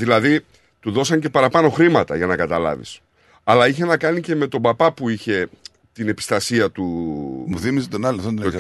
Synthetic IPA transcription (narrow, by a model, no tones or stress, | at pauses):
ðilɐði | t̪uðo̞sɐɲce̞pɐɾɐpɐno̞xɾimɐt̪ɐ̰ʝɐnɐkɐt̪ɐlɐ̰vḭs | ɐlɐiçe̞nɐkɐnice̞me̞t̪o̞bɐpɐpuiçe̞ | t̪ine̞pi̥st̪ɐsiɐt̪umuθimiset̪onɐloθont̪